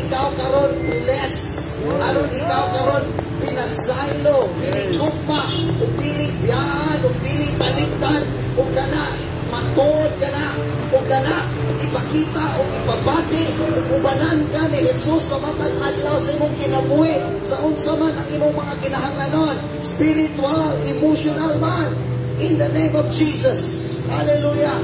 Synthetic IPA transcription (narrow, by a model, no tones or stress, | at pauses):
ɪkawkaɾonlɛs | ʔaɾonɪkawkaɾonpɪnasajlod̪ilɪʔɡʊpaʔʔʊɡ̚d̪ilɪʔbijaʔanʊɡ̚d̪ilɪʔt̪alɪt̪an | ʔʊɡ̚kanaʔ | mat̪oʔod̪̚kanaʔ | ʊɡːanaʔʔ | ɪpakit̪aʔʔʊɡɪpabat̪ɪʔʊɡʊbanankanɪhɛsʊsːamapaɡadlawsaimʊŋkɪnabuhiʔ | saʔʊnsamanaŋimʊŋmaŋakɪnaɦaŋlanon | spɪɾɪt̪walɪmʊsʊnalman | ɪnd̪ənẽjmɔfd͡ʒiːsas | haleluja